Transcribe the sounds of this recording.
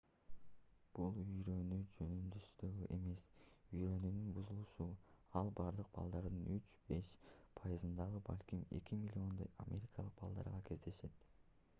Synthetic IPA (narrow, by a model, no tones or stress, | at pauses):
b̥ulˠyjɾø̞nyd͡ʒø̞nymd̪yst̪øɡyʔe̞me̞syjɾø̞nynynbuzulˠuʃuɑlˠbɑɾd̪ɯq̚bɑ̰lˠd̪ɑɾd̪ɯnyt͡ʃb̥e̞ʃpʰɑjɨzɯnd̪ɑʁɯbɑ̰lʲkʲime̞̰kʲimʲilʲːio̞nd̪oja̰mʲʔe̞ɾʲikɑlˠɯq̚bɑ̰lˠd̪ɑ̰ɾʁɑkʰe̞zd̪e̞ʃe̞t̪